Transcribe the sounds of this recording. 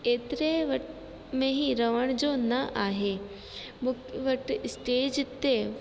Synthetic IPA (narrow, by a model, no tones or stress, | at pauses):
eːt̪ɪɾeʋɐʈ | mẽɦiɾɐʋəɽ̃d͡ʑonɐʔaːɦeː | mʊkʋɐʈsʈeːd͡ʑt̪e